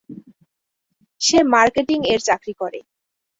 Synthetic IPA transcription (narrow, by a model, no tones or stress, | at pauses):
ʃemaɾkeʈiŋeɾt͡ɕakɾikoɾḛ